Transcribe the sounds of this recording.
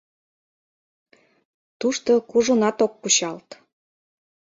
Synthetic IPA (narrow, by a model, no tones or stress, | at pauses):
t̪uʃt̪okuʒunɑt̪ok̚puɕɑlt̪